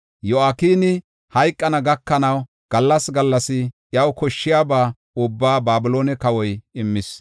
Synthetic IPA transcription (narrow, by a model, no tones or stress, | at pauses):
jɔaːkiːnɪ | hɐjkʼːɐnɐɡɐkːɐnɐw | ɡ̥ɐlːɐsɡɐlːɐsɪjɐwkɔʃːɪjaːbaː | ʊbːaːbaːbɪloːnɛkɐwɔjɪmːɪs